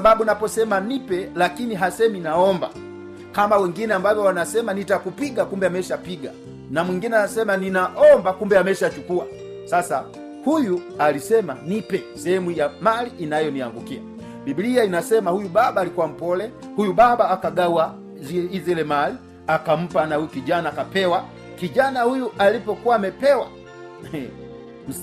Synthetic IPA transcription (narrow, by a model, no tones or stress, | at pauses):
ababunapɔsɛmanipɛlakiniɦasɛminaɔmba̰ | kamawɛŋɡinɛambavɔwanasɛmanitakupiɡakumbɛamɛʃapiɡa̰ | namwiŋɡinɛanasɛmaninaʔɔmbakumbɛamɛʃat͡ʃukua̰ | sasa | hujualisɛmanipɛsɛhɛmujamaliʔːnajɔniaŋɡukia̰ | bibiliainasɛmahujubabaːlikuwam̩pɔlɛ | hujubabaːkaɡawa | izɛlɛmali | akam̩panahujukiɟanaːkapɛwa | kiɟanahujuʔalipɔkuwamɛpɛwa̰ | m̩